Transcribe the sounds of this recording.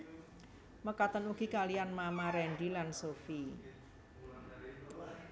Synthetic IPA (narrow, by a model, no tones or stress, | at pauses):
məkat̪ənuɡ̥ikalianmamaɾɛnɖilansofi